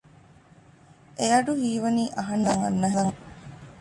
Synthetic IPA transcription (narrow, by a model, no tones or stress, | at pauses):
ʔejɐɖuɦiːʋɐniːʔɐɦɐnɐŋɐ̰nːɐɦɐŋ